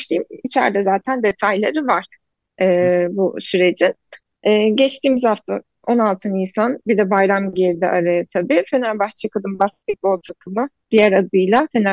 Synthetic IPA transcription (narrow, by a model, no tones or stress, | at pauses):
t͡ʃt̪ʰiːmit͡ʃʰæ̰ɾd̪ɛzaːt̪ʰænd̪et̪ʰajlˠeɾivaɾ̥ | ɛːbusyɾe̞d͡ʒin | ɛːɟɛt͡ʃt̪ʰiːmizhaft̪ʰa | o̞nalˠt̪ʰɯninsanbid̪ɛbajɾamɟeɾid̪ɛ̰ʔaɾajat̪ʰabifenæɾbaxt͡ʃʰakɯd̪ɯmbast̪ʰic̚bolˠt̪ʰakʰɯmɯd̪̥ijæɾad̪ɯjlˠafena